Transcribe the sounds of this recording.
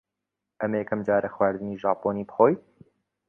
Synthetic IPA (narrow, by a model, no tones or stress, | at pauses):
ʔɐmjɛkʰɐmd͡ʒaːɾʔɐxwaːɾd̪ɨniːʒɑːpoːniːbɨxoːj